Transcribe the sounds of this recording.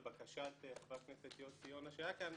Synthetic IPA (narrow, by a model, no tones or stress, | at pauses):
bakaʃat̪ːvakneset̪ijosijonaʃeajakam